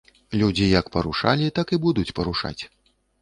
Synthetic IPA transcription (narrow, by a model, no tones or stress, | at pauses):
lʲud͡zʲijɐkpɐɾuʂa̰lʲit̪akibud̪ut͡sʲpɐɾuʂa̰t͡sʲ